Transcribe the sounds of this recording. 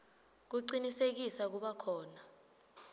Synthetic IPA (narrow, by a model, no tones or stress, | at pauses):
k̬uǀinisek̬isak̬uɓakʰɔːna